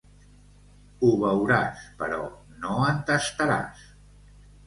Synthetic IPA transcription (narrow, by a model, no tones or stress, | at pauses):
uβəwɾaspəɾɔ | noənt̪əst̪əɾa̰s